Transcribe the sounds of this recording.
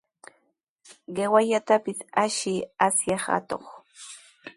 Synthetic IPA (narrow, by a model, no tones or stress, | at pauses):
ɢewaʎat̪apɪsaʃɪasjɑha̰t̪o̰χ